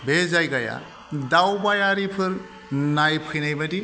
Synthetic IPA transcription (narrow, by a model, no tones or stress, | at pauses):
bezajɡaja̰ | dawbajaɾipʰɯɾ | najpʰɯjnajbadi